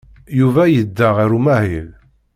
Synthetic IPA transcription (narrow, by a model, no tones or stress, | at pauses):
juvæjəd̪ːəʁɾumæhil